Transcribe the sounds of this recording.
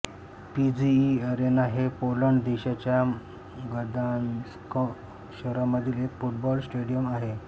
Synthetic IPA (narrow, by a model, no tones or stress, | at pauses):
pid͡ʑiəɾenaɦepoləɳɖd̪eɕat͡ɕja | ɡəɾd̪anskɔ | ɕəɾamːəd̪ʱiːlekfuʈ̚bɔlsʈeɽijəmaɦe